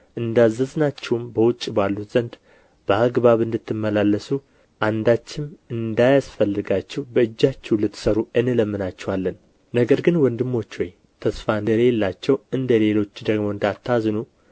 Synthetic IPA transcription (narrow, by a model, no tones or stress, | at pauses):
ʔɨnd̪azːəznat͡ʃːɛwmbəwʊt͡ʃʼːbalːut̪z̥ənd̪ | bəaɡβaβɨnd̪ɨt̪ʰːɨmːəlalːəsu | ʔand̪at͡ʃːɪmɨnd̪ajasfəlːɨɡat͡ʃːɛwbəɨd͡ʒːat͡ʃːɛwlɨt̪ːsəɾuɨnɨləmːɨnat͡ʃːɛwalːən | nəɡəɾɡɨnwɔnd̪ɨmːo̞t͡ʃːwɔj | t̪ʰəsfaɨnd̪əɾelːat͡ʃːɛwɨnd̪əle̞lo̞t͡ʃːd̪əɡmo̞ɨnd̪at̪ʰːaznu